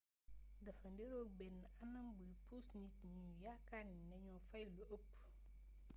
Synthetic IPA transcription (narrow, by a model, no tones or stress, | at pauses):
dɐfɐndeɾoːk̚bɛnːɐnɐmbujpusnitɲujakaninɐɲɔfɐjluopː